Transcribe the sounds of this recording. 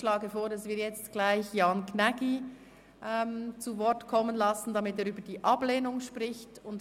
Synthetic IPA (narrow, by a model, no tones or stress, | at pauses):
ʃlɑːɡəfoːɾdɑsv̥iːɐjɛt͡stɡ̥laɪçjɑːnknɛɡi | ʔɛmt͡suvɔʁtkʰɔmːənlɑsn̩dɑmɪteːɾyːbədiːʔɑbleːnʊŋʃpʁɪçtʊnt